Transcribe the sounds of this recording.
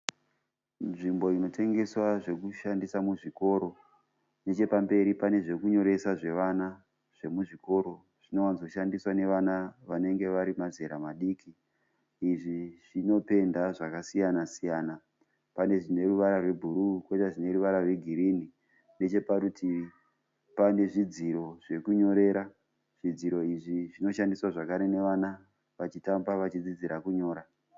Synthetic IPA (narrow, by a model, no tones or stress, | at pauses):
ʐimbo̞ino̞tʰe̞ŋɡe̞swaʐe̞kuʃandisamuʐiko̞ɾo̞ | ne̞t͡ʃe̞pambe̞ɾipane̞ʐe̞kuɲo̞ɾe̞saʐe̞ʋana | ʐ̥e̞muʐiko̞ɾo̞ | ʐ̥ino̞wanzokuʃandiswane̞ʋanaʋane̞ŋɡe̞ʋaɾimaze̞ɾamaɗiːkiː | ʐiʐ̥ino̞pe̞ndaʐakasijanasijana | pane̞ʐine̞ruʋaɾarwe̞bʱuɾukwetaʐine̞ruʋaɾarwe̞ɡʱiɾini | ne̞t͡ʃe̞paɾutʰi | pane̞ʐid͡ziɾo̞ʐ̥e̞kuɲo̞ɾe̞ːɾa | ʐ̥id͡ziɾo̞iʐiʐino̞ʃandiswaʐakaɾe̞ne̞ʋana | ʋat͡ʃitambaʋat͡ʃid͡zid͡ziɾakuɲo̞ːɾa